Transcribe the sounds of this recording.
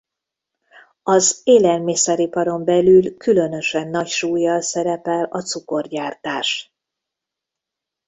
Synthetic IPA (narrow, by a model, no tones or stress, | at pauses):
ɒzeːlɛlmisɛɾipɒɾo̞mbɛlylkylø̞nø̞ʃɛnːɒcʃuːjːɒlsɛɾɛpɛlɒt̪suko̞rɟaːrt̪aːʃ